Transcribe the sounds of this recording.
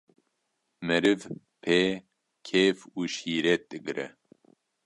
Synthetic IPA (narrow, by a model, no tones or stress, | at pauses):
mɨɾɨv | pʰeː | kʰeːfuːʃiːɾɛt̪̚d̪ɨɡɨɾɛ̰